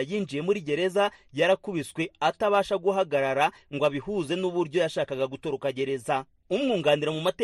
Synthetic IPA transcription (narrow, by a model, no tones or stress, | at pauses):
jiːnd͡ʒije̞muɾiɟe̞ɾe̞zajaɾakuβiswe̞ataβaːʃaɡuɦaɡaɾaɾaŋɡwaβihuːze̞nuβuɾɟo̞jaʃaːkaɡaɡuto̞ɾokaɟe̞ɾe̞za | umŋuːŋɡaːniɾamumate